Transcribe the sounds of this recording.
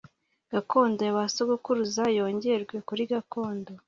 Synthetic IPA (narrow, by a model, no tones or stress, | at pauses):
ɡ̥ako̞ːndojaβasoɡokuɾuzajo̞ːɲɟeɾɡwe̞kuɾiɡako̞ːndo̞